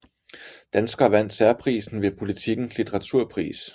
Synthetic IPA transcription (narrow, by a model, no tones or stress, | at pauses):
d̥ænsɡ̥ɐːʋæn̰d̥sæɐpʰʁḭːsn̩ʋe̝pʰo̝lit͡sʰiɡ̥n̩slit͡sʰeʁɑ̈t͡sʰuɐ̰pʰʁḭːs